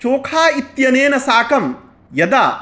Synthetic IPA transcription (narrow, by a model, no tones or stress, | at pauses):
t͡ʃoːkʰaːit̪jɐneːnɐsaːkɐm | jɐd̪aː